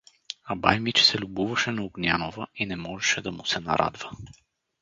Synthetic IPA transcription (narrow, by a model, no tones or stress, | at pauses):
aba̰jmit͡ʃsɛlʲubuvɐʃɛnɐuɡnʲjanovəinɛmɔʒɛʃɛd̪ɐmusɛna̰ɾʔa̰d̪və